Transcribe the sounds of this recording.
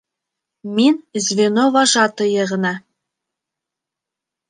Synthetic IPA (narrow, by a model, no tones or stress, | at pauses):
minzvʲenovɑʒɑt̪ɤ̆jɤ̆ʁɤ̆nɑ